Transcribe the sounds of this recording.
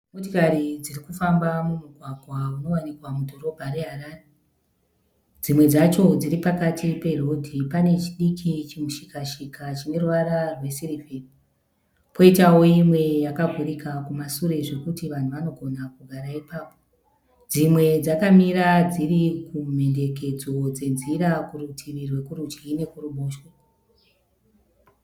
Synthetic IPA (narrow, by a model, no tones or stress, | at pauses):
motikaɾid͡zirikufambamumuɡʱwaɡʱwauno̞wanikwamudʱo̞ɾo̞bʱaɾe̞ɦaraːre | d͡zimwe̞d͡zat͡ʃo̞d͡ziɾipakatʰipe̞ro̞dʱipane̞t͡ʃiɗikʰit͡ʃimuʃikaʃikat͡ʃine̞ruwaɾarwe̞siripi | po̞itawo̞imwe̞jakaɡʱuɾikakumasuɾe̞ʐe̞kutiʋan̤uʋano̞ɡʱo̞nakuɡʱaɾaipaːpo | d͡zimwe̞d͡zakamiɾad͡zirikum̤e̞nde̞k̬e̞d͡zo̞d͡ze̞nziɾakuɾutʰirirwe̞kuɾud͡ʒine̞kuɾuɓoːʃwe